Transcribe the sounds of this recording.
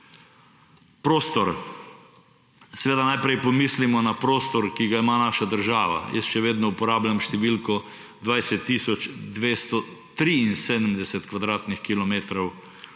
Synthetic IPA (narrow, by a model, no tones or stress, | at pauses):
pɾoːst̪ɔɾ | sɛʋeːd̪anajpɾɛjpɔmislimɔnapɾoːst̪ɔɾkiɡaimanaːʃad̪əɾʒaːʋa̰jʔə̰sʃɛʋeːd̪nɔupɔɾaːblʲamʃt̪ɛʋilkɔ | d̪ʋajsɛt̪ːiːsɔt͡ʃd̪ʋest̪ɔt̪ɾiːnseːd̪əmd̪ɛsɛt̪kʋad̪ɾaːt̪nixkilɔmeːt̪ɾɔw